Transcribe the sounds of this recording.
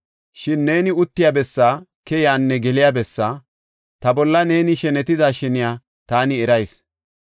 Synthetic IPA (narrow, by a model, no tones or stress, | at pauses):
ʃɪnːe̞ːnɪʊt̪ːɪjaːbɛsːaːkɛjaːnːɛɡɛlɪjaːbɛsːaː | t̪ɐbɔlːɐne̞ːnɪʃɛnɛt̪ɪd̪aːʃɛnɪjaː | t̪aːnɪɛɾɐjs